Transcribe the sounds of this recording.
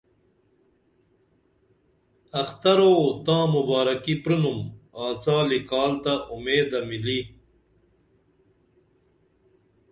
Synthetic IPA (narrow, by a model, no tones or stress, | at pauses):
ɐxt̪ɐɾoːt̪ãːmubaːɾɐkipɾinumaːsaːlikaːlt̪aʔumeːd̪ɐmili